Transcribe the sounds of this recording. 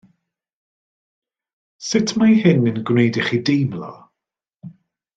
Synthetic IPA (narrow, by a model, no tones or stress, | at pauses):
sɪtʰmajhɪnənɡwnejdɪχidejmlɔ̰